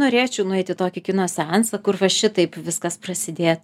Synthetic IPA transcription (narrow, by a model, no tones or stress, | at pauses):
noːɾʲeːt͡ʃʲɛʊnʊɛɪt̪ʲɪt̪oːkʲɪkʲɪnoːsʲɛnsɐkʊrʋɐʃʲɪt̪ɐɪpʋʲɪskɐsprɐsʲɪd̪ʲeː